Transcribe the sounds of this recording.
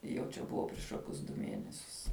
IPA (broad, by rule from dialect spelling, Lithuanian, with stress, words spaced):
jɛʊ ˈt͡ʃʲɛ ˈbʊʋɐ pʲrʲɪʃ ˈkoːkʲʊs dʊ ˈmʲiɛnʲɛsʲʊs